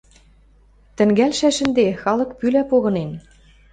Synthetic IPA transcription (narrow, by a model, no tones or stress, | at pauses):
t̪ɘ̆ŋɡælʃæʃɘ̆nd̪exɑlɤ̆kpylæpoɣɤ̆nen